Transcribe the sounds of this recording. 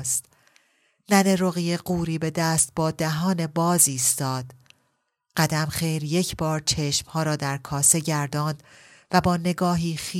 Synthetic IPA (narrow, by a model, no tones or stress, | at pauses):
st̪ | næneɾoɣijeɢuːɾiːbe̞d̪æːst̪̚bɒːd̪æɦɒːne̞bɒːziːst̪ɒːd̪̥ | ɢ̥æd̪æmχe̞jɾje̞cʰbɒːɾt͡ʃʰe̞ʃmhɒːɾɒːd̪æɾkʰɒːse̞ɟæɾd̪ɒːnd̪̥væbɒːne̞ɡɒːɦiːχiː